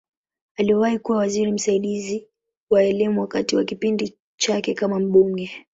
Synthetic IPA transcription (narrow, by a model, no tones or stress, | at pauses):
aliɛwahikuwawaziɾim̩saiɗizi | waɛlimuwakatiwakipindi | t͡ʃakɛkamam̩ɓuŋɡɛ